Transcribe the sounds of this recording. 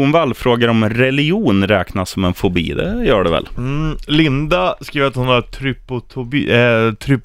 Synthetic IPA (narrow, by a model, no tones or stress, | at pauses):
ʊnvɛlːfɾoːɡaɾɔmɾɛlɪuːnɾɛːknasɔmɛnfɔbḭːd̪ɛ̰jœːɖɛvɛ̰llɪnd̪askɾiːʋəɾat̪hʊnaɾt̪ʰɾʏpʊt̪ʰʊbt̪ʰɾʏp